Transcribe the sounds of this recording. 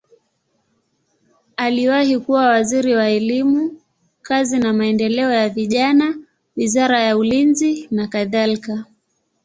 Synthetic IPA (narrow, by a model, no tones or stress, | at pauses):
aliwahikuwawaziɾiwaɛlimu | kazinamaɛndɛlɛɔjaviʄana | wizaɾajaulinzinakaðalika